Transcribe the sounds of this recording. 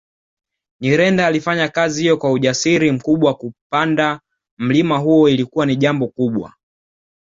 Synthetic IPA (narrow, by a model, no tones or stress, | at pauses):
ɲiɾɛndaːlifaɲakazihijɔkwauʄasiɾim̩kuɓwakupanda | m̩limaɦuɔilikuwaniʄambɔkuɓwa̰